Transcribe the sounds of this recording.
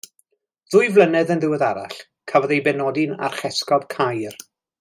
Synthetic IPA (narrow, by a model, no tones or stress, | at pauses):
ðʊjvlˠənɛðənðɪwɛðaɾa̰ɬ | kʰavɔðejbɛnɔdɪna̰rχɛskɔb̥kʰajr